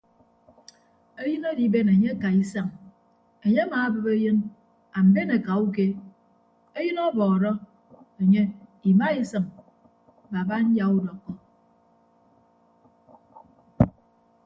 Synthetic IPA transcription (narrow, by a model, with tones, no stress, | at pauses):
e˦jɨ˦no˦di˨be˦ne˨ɲe˦ka˨i˦sa˦ŋ | e˨ɲe˦a˦maː˨˦bɨ˨be˦jɨ˦n | a˨m̩˨be˦ne˨ka˨u˦k̬e˦ | e˦jɨ˦nɔ˦bɔː˨ɾɔ˦ | e˨ɲe˦i˨ma˦i˦sɨ˨ŋ˨ | ba˨ba˦n̩˦ja˨u˦dɔ˨kːɔ˦